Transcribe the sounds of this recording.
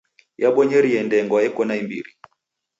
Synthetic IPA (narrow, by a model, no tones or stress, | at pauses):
jaɓwɔɲɛɾiɛndɛŋɡwaɛkɔnaimbiɾi